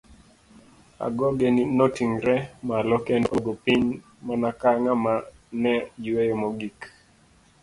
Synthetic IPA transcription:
a̰ɡɔɡeninɔtiŋɾɛmalɔkɛnoɡopiɲ | manakaŋama | nɛd͡ʒiwejomɔɡik

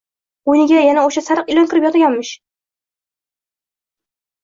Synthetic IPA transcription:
ojnɪɡʲajanaoʃasaɾɨqɪlɒnkʲɪɾɪpjɒt̪ʰaɡʲanmɪʃ

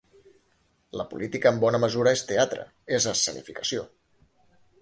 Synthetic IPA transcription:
ləpulʔit̪ikəːmbɔnəməzuɾəest̪eat̪ɾə̰ | ezəsənḭfikəsio

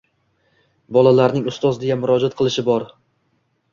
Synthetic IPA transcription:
bɒlˠalaɾnɪŋʊst̪ɒzd̪ejanmʊɾɒd͡ʒat̪̚qʰɨlˠɪʃɪbɒɾ

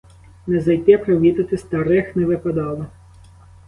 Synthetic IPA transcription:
nɛzɐjt̪ɪɐpɾɐʋʲit̪ɐt̪ɪst̪ɐɾɪxnɛʋɪpɐd̪ɑlˠɪ

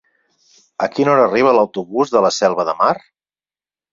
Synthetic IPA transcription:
əkinɔɾəːriβ̞ələwt̪uβuzðələsɛlˠβəðəmar

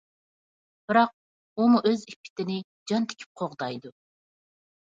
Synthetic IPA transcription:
b̥ɪɾɑq̚ | umuʔøzipʰːɪ̥t̪ɪnɪ | d͡ʒɑnt̪ʰɪ̥kʲʰy̥p̚qʰoʁd̪ɑjd̪u

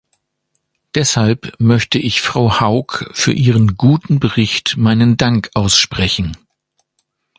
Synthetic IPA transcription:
d̥ɛshalpmœçtəʔɪçfʁ̥aʊhaʊkfyːɐʔiːʁənɡuːtn̩bəʁɪçtmaɪnəndaŋkʔaʊsʃpʁ̥ɛçn̩

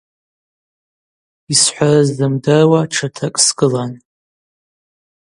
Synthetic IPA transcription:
isħʷarazdɨmdarwaʈ͡ʂʰatʰakʼsɡɨlan

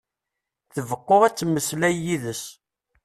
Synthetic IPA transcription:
θəvəqːoʁæt͡sːəmːəslæjiðəs

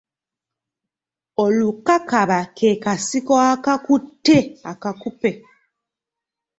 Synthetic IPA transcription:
olukakaβakʰeːkasikoakakutːeakakupe̞

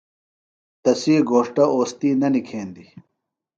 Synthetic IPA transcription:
t̪ɐsiːɡoːʂʈɐoːst̪iːnɐnikʰeːnd̪i

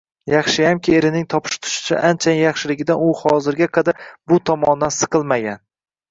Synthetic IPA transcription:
jɑχʃɪjamkʲʰɪe̞ɾɪnɪŋt̪ʰɒpʰɪ̥ʃt̪ʰʊ̥ʃɪ̥t͡ʃʰa̰ʔant͡ʃʰajɪjɑχʃɪlɪɡʲɪd̪anʊhɒzɪɾɡʲaqʰɑd̪aɾbʊt̪ʰɒmɒnd̪ansɨ̥qʰɨlˠmaɡʲan

